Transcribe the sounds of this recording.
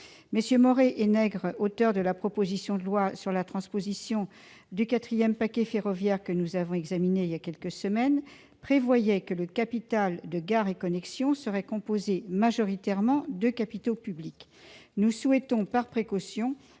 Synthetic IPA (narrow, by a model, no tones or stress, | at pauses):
məsjømɔʁeʔenɛɡʁot̪œʁd̪əlapχɔpozisjɔ̃d̪əlwasyʁlat̪χɑ̃spozisjɔ̃ | d̪ykat̪χijɛmpakʲɛfeʁɔvjɛʁkənuzavɔ̃ɛɡzamineljakʲɛlkəsəmɛn | pχevwajɛkələkapit̪ald̪əɡaʁekɔnɛksjɔ̃səʁɛkɔ̃pozemaʒɔʁit̪ɛʁmɑ̃d̪økapit̪opyblik | nuswɛt̪ɔ̃paʁpχekɔsjɔ̃